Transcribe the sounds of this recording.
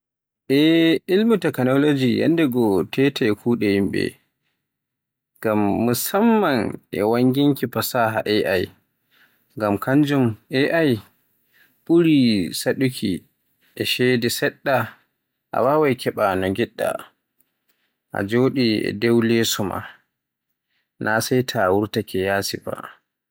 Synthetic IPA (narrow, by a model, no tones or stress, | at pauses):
ʔɛilmutakanɔlod͡ʒija̰ndɛɡɔtʰɛtʰɛɛkʰuːɗɛjimɓɛ̰ | ɡamːusamːanʔɛ̰waŋɡiŋkipasaɦa̰ʔɛʔaj | ŋɡamkʰaɲd͡ʒumʔɛʔaj | ɓuɾisaɗukʰʲi | ʔɛʃɛːdɛsɛɗːa | ʔa̰wawajkʰɛɓanɔɡiɗːa̰ | ʔa̰d͡ʒoːɗiɛ̰dɛwlesuma̰ | nʔasajtʰawuɾtakʰɛjaːsiba̰